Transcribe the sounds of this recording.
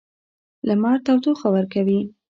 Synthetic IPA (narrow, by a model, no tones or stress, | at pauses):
lamɑɾt̪awt̪oxabəɾkawi